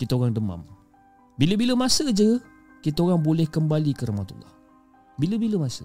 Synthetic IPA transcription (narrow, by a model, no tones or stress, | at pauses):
kit̪aoɣaŋdəma̰m | biləbiləmasəd͡ʒə | kit̪aoɣaŋbolɛhkəmbalikəɾahmat̪ṵlːɑ̰h | biləbiləmasə̰